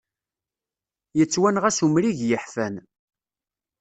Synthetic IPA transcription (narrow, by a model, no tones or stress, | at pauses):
jət͡sːwænʁæsumɾiʝjəħfæn